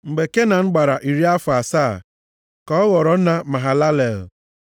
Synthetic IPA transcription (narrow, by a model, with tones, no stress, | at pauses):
ŋ͡m̩˨ɡ͡be˨ke˦na˨ŋ̩˦ɡ͡ba˨ɾa˨ʔi˨ɾi˦a˦fʊ˨a˨saː˦˨ | kɔ˨ɔ˦ɣɔ˨ɾɔ˨˦na˦ma˨ɦa˨la˦le˨l